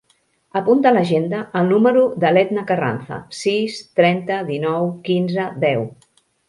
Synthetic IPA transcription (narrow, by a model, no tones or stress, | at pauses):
əpunt̪ələʒend̪əʔːlˠnuməɾuðəlɛd̪nəkəra̰nθə̰sist̪ɾɛnt̪əðinɔwkinzəðɛw